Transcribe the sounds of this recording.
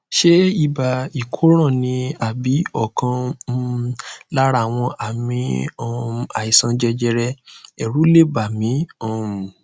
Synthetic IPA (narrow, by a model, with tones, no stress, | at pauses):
ʃe˦i˦˨ba˨i˨kʰo˦ɾ̃ã˦˨nĩ˧a˨bi˨˦ɔ˦˨kʰã˧˦ | la˦ɾa˦˨w̃ɔ̃˧ʔa˨mĩ˧ɔ˧˨a˨i˨sã˧d͡ʒɛ˧d͡ʒɛ˧ɾɛ˧ɛ˨ɾu˨˦le˦˨ba˨mĩ˨˦ɔ˦˨